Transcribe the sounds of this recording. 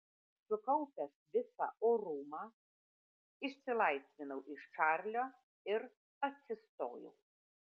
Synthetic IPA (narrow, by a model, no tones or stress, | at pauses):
sʊkɐʊpʲɛsʋʲɪsɑ̰ʔoːɾuːmɑ | ɪʃʲsʲɪlˠɐɪsʲʋʲɪnɐʊʔɪʃʃɑɾʲlʲoː | ɪɾ | ɐt̪ʲsʲɪst̪o̰ːjɛ̰ʊ